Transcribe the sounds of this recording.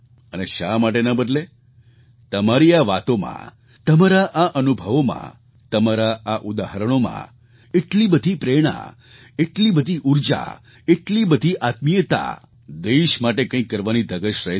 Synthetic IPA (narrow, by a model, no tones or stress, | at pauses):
əneʃa̰maʈ̬enəbəd̪le | t̪əmaɾiaʋat̪omã̰ | t̪əmaɾaʔaʔənubʱəʋomã̰ | t̪əmaɾaaʔud̪aɦəɾəɽ̃omã̰ | eʈlibəd̪ʱipɾeɽ̃a̰ | eʈlibəd̪ʱiʔuɾd͡ʒa̰ | eʈlibəd̪ʱiʔat̪mijət̪a̰ | d̪eʃmaʈekə̃ĩkːəɾʋanid̪ʱəɡəʃɾəɦ